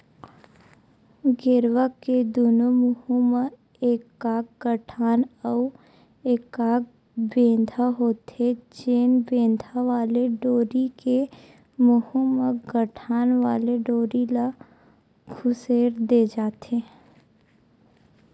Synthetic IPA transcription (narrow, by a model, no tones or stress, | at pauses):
ɡɪɾʋəked̪oːnomʊhumə | eːkːaːkɡəʈʰaːnɔ | eːkaːk̚ | bẽːnd̪ʱaɦoːt̪ed͡ʒeːnbẽːnd̪ʱaʋaːleɖoːɾike | mʊhuməɡəʈʰaːnʋaːleɖoːɾila | ɡʰʊseːɾd̪eːd͡ʒaːt̪eː